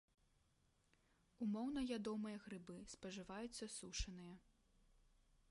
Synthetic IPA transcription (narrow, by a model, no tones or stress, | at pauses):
umɔwn̪ɐvʲad̪ɔmɨjɐɣɾɨbɨspɐʐɨvajut̪sːɐsuʂɐnɨjɐ